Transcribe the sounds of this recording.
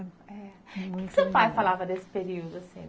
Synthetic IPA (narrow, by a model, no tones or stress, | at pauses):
ɛ̃sẽfajfalavɐd̪esɪ̥peɾiud̪ʊasḭ̃